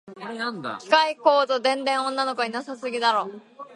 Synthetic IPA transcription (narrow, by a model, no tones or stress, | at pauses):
nd̪kʲi̥kaiko̞ːzod̪ẽ̞nd̪ẽ̞ɰ̃õ̞nːano̞ko̞ɲ̟inasasɨɡʲid̪aɾo̞ː